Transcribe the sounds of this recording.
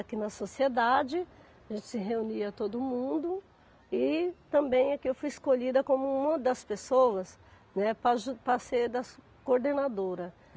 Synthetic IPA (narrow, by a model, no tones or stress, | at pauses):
akinɐsosied̪ad͡ʒɪ | aʒẽnt͡ʃɪ̥sɪɦeuniɐt̪od̪ʊmũd̪ʊ | ɪt̪ɐ̃bẽj̃ɐkiewfujɪskoʎid̪ɐkõmʊũmɐ̃d̪ɐspesowɐs | nɛpɾɐʒupɾɐseɾd̪ɐ | koɾd̪enad̪oɾɐ